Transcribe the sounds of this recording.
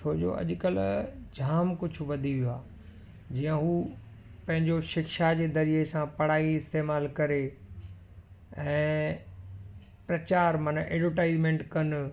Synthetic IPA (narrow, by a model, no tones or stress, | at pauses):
t͡ʃʰoːd͡ʑo̰ɐ̰ʄʊkəld͡ʑʱaːmkʊd͡ʑʱʊ̆ʋɐd̪ʱiʋijoaː | d͡ʑiːãɦuː | pɐ̃ɦɪ̃ɲd͡ʑoʃɪkʃad͡ʑeːd̪ɐɾiesãpɐɽ̤aːiɪst̪eːmaːlkɐɾe | ɛ̃ː | pɾɐt͡ɕaːɾmaːnʔɛ̰ːɖʋəʈaːɪzmẽːɳʈkɐn